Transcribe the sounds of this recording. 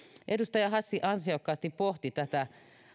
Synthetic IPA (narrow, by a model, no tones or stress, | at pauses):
ʔedust̪ɑjɑhɑsːiʔɑnsiokːɑːst̪ippoht̪it̪æt̪æ